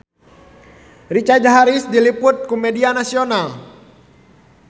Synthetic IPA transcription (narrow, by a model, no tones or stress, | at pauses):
rit͡ʃad͡ʒaɦaɾisdilipʊt̪̚kumɛdianasional